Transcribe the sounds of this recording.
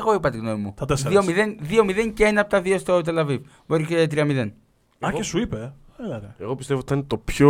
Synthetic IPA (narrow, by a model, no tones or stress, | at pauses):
ɣo̞ipɐt̪iɣnomimut̪ɐt̪esio̞miðenðio̞miðe̞ŋceenɐɐpot̪ɐðiost̪ot̪̬e̞lɐviv | boɾicet̪ɾiɐmiðe̞n | ɐkesuipe | elɐt̪eeɣo̞pist̪evot̪ɐinet̪o̞pço